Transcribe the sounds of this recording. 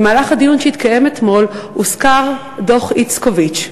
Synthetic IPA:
maːlaχad̪ijunʃeit̪kajemet̪mo̞luskaʁ | do̞χit͡skovit͡ʃ

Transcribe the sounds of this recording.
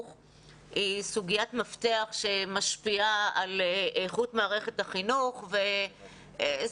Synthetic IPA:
χ | isuɡijatmaft̪eaχʃe̞maʃpiaaleχutmaːʁe̞χethaχinuχve

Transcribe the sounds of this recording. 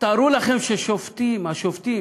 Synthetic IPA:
t̪aɾulaχemʃeʃoft̪imaʃoft̪im

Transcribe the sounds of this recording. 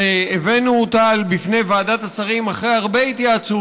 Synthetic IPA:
eevenutalbifne̞jvaːdat̪asaʁimaχʁejaʁbe̞it̪iat͡su

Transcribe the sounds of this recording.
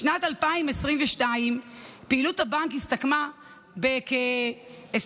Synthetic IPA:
natalpaimesʁiɱveʃtaimpeiluthabaŋkist̪akma | bekee

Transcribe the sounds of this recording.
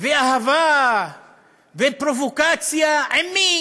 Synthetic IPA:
veaɦava | vepɾovokat͡siaami

